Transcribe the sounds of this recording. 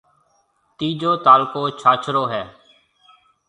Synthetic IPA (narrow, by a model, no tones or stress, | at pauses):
t̪iːd͡ʒoːt̪aːlkoːt͡ʃʰaːt͡ʃʰɾoːɦɛː